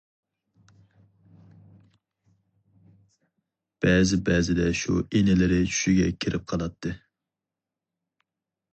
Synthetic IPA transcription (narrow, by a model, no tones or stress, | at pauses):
b̥ɛːzɪbɛzɪd̪ɛʃṵenɪlɪɾɪt͡ʃʰy̥ʃiɡʲɛkʲʰɪɾʔɪp̚qʰɑlˠɑt̪ʰːɨ